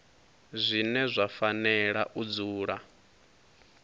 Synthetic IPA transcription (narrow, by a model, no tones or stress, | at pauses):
zʷinɛzʷafanɛɺaʔud͡zuːɺa